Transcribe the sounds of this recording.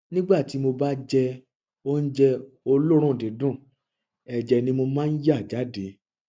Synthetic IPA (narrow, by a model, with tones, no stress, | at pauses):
nĩ˦ɡ͡ba˦˨ti˨˦mo˧ba˦d͡ʒɛ˧ | o˦n̩˦d͡ʒɛ˧ | o˧lo˦ɾ̃ũ˦˨de˨˦dũ˦˨ | ɛ˨d͡ʒɛ˧nĩ˧mo˧mãː˦n̩˦ja˦˨d͡ʒa˨˦de˨˦